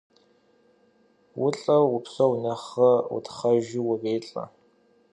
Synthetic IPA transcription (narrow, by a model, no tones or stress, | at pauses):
wʊɬʼɐʊpsɐwnɐχɐʊ̰tχɐʒɪwʊreːɬʼɐ̰